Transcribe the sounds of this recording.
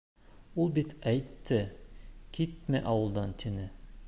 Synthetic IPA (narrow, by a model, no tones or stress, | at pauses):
ulˠbit̪ʰæjt̪ʰːɘkʰʲit̪̚meʔɑwɤlˠd̪ɑnt̪ʲʰinɘ